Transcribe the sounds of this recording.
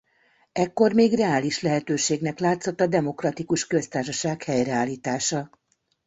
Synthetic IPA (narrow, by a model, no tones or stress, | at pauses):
ɛkːo̞rmeːɡrɛaːliʃlɛɦɛt̪øːʃeːɡnɛklaːt̪so̞t̪ːɒd̪ɛmo̞krɒt̪ikuʃkø̞st̪aːrʃɒʃaːkhɛjrɛaːlːiːt̪aːʃɒ